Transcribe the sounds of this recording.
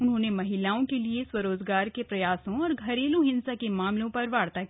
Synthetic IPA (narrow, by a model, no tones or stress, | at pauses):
ʊnɦõːnemɐɦɪlaːõkelieswɐɾoːd͡ʒɡaːɾkepɾɐjaːsõɔːɾɡʱɐɾeːlõɦɪ̃nsakemaːmlõpɐɾʋaːɽt̪aki